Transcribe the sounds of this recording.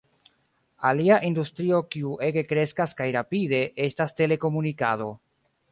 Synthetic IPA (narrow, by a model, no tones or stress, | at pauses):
aliaʔindustɾio̞kiuʔe̞ɡe̞kɾe̞skaskajɾapide̞ʔe̞staste̞le̞ko̞munikado̞